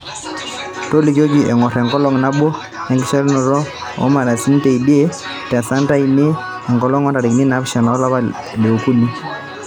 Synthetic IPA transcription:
to˦lɪ˨ko˦ki˨ɛ˨ŋɔ˨ɾɛ˨ŋɡɔ˦lɔ˦ŋna˦bo˦ | ɛ˨ŋɡɪ˦ʃɛ˦lnɔ˨ɾɔ˦ | ɔ̰˦ma˨ɾa˨si˦n˦te˨i˨di˦e˦ | tɛ˨sa˦nta˦i˨ne˦ | ɛ˨ŋɡɔ˨lɔ˦ŋɔ˦nda˨ɾɪ˨kni˦na˨˦bʃa˨na˨ɔ˦la˦βa˦ | le˨o˨ku˦ni˦

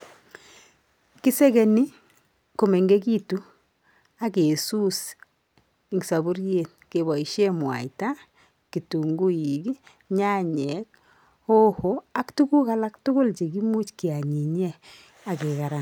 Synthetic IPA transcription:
ki˦se˦ke˨ni˦ | ko˨me˨ŋɡe˦ki˦tu˨˦ | a˦ke˨su˦s | i˨ŋɡsa˨bu˦ɾje˨nke˨βɔ˨i˨ʃe˦mwa̰˨ita˦ | ki˨tu˨ŋɡu˦ji˨ɡi˦ | ɲa˦ɲɛ˨˦k̚ | o˦ho˦a˦ktu˦ku˦ka˦la˦ktʊ˦kʊ˦lt͡ʃe˨ki˦mu˦t͡ʃki˨a˨ɲi˨ɲɛ˦ | a˨ke˨ka˨ɾa˨n

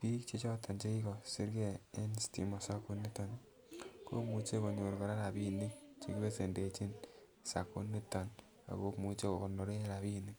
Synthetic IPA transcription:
pi˦kt͡ʃe˦t͡ʃɔ˦tʰa˨nt͡ʃe˦i˦kɔ˨si˦ɾɡe˦e˦nstḭ˨mɔ˨sa˦ku˦ni˦tɔ˨n | ko̰˦mu˦t͡ʃe˦ko˨ɲo˨ɾkɔ˨ɾa˦ɾa˨pi˦ni˦ŋt͡ʃe˨ki˦be˦se˨nde˨t͡ʃi˦n | sa˨ku˦ni˦ta˨n | a̰˨ko˦mu˨t͡ʃe˦ko˨ko˨no˨ɾe˦ɾa˨bi˦ni˦ŋ

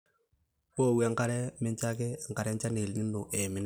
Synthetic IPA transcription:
wo˦˨wɛ˨˦ŋka˨ɾɛ˦mɪ˦nt͡ʃa˦kɪ˦˨ŋ̩˨ka˨ɾɛ˦n˦t͡ʃa˦ne˨lɲi˦nːʊ˨ʔɛ˨mɪ˨˦n˦

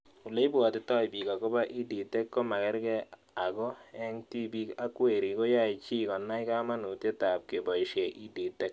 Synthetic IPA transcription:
u˨le˦i˦ba˨tɪ˦tɔ˦jbi˨ka˨ko˦ba˦ʔi˦di˨tɛ˦kko˦ma˨kɛ˦ɾɡɛ˦ | a˨ɡɔ˦ɛ˦ŋti˦bi˦ka˦kwe˨ɾi˨ko˦ja˦˨i˨t͡ʃi˦kɔ˨nːa˦jka˦ma˦nu˨te˦ta˨p̚ke˨bɔ˨i˨ʃe˨ʔi˦di˨tːɛ˦k̚

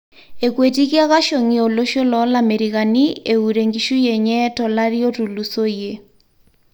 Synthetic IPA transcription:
e˨kwe˨ti˦ki˦a˦ɣa˦ʃo˨ŋi˨o˨lo˦ʃo˦lɔ˦lame˨ɾi˨ɣa˨nieu˨ɾe˨ŋɡi˨ʃu˦je˨ɲɛ˦tɔ˨la˦ɾi˦o˦tu˨lu˨so˦je˨

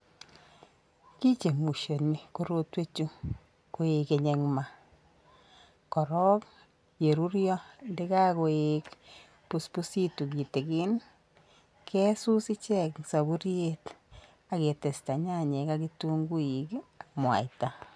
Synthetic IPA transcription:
ki˦t͡ʃe˨mu˨ʃo˨ni˨ko˦ɾo˦twe˦t͡ʃu˦ | ko˨˦e˨ke˨ɲe˨ŋma˨ | kɔ˨ɾɔ˦k | je˨ɾu˦ɾjɔ˦nde˦ka˦ko˨ek | pu˦spu˦si˦tu˨ɡi˨te˨ɡɪ˦n | kʰɛ˦su˦si˦t͡ʃɛ˦˨ksa˨bu˦ɾje˦t | a˨ke˨te˨sta˨ɲa˦˨ɲe˨ka˦ki˦tu˦ŋɡu˦i˨kmwa̰˨i˨ta˨

